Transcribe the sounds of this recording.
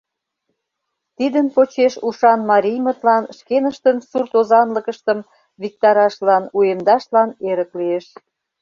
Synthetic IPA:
t̪id̪ənpot͡ɕeʃuʃɑnmɑɾʲijmət̪lɑnʃkenəʃt̪ənsurt̪ozɑnləkəʃt̪əm | βik̚t̪ɑɾɑʃlɑnuemd̪ɑʃlɑneɾəklieʃ

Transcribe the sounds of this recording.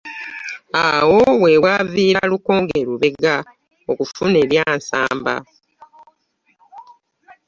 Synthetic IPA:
awo̞we̞waviːɾaluko̞ːŋɡeɾuβe̞ɡa | okufune̞βjaːnsa̰ːmba̰

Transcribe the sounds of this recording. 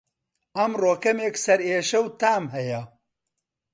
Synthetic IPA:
ɐmroːkɐmeksɐɾeːʃɐwt̪aːmɦɐjɐ

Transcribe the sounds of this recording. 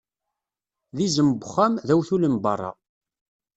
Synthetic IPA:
ðizəmbʊχːæmðæwθuləmbɑ̰rˤːɑ̰

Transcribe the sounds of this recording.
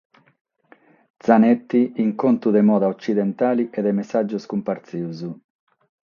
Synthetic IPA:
d̪zanɛt̪ːiiŋkont̪uðɛmɔːðaɔt͡ʃːiðɛnt̪aːliʔɛd̪ɛmɛsːad͡ʒːuskumpaɾt̪siuzu

